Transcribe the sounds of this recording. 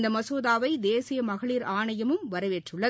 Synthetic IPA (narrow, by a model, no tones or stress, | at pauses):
nd̪ɐmɐsoːðaːʋɐɪd̪eːsɪjɐmɐɣɐɭiːɾʔaːɳɐjɐmɯmʋɐɾɐʋeːʈrɯɭːɐ